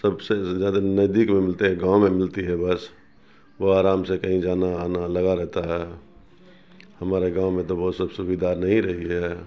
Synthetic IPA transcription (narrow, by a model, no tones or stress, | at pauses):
səbsed͡ʒjaːd̪anəd̪ikmẽmɪlt̪eɦɛɡãw̃mẽmɪlt̪iɦɛbəs | ʋoaːɾaːmsekəɦĩd͡ʒaːnanaləɡaɾɛɦt̪aɦɛ | həmaːɾeɡãw̃mẽt̪obɔt̪səbsubid̪aːɾnəɦĩɾəɦiɦɛ